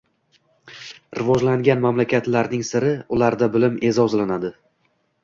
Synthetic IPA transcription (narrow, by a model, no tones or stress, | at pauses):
ɾɪvɒd͡ʒlaŋɡʲanmamlakʲʰat̪laɾnɪŋsɪɾɪʊlaɾd̪abɪlɪmʔe̞zɒzlanad̪ɪ